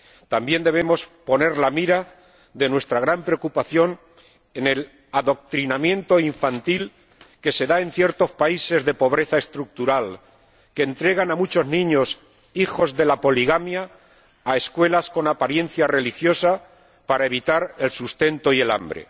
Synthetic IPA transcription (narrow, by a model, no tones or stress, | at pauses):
t̪ambje̞nd̪e̞β̞e̞mo̞spo̞ne̞ɾlamiɾa | ðe̞nwe̞st̪ɾaɣ̞ɾampɾeokupaθjo̞n | e̞ne̞l | aðo̞k̚t̪ɾinamjẽ̞nt̪o̞iɱfant̪il | ke̞se̞ðae̞nθje̞ɾt̪o̞spaise̞zðe̞po̞β̞ɾe̞θae̞st̪ɾuk̚t̪uɾal | ke̞ːnt̪ɾeɣ̞anamut͡ʃo̞znĩɲo̞s | ixo̞zðe̞lapo̞liɣ̞amjaː | e̞skwe̞lasko̞napaɾje̞n̟θjare̞lixjo̞sa | paɾae̞β̞it̪aɾe̞lsust̪e̞nt̪o̞ie̞la̰mbɾḛ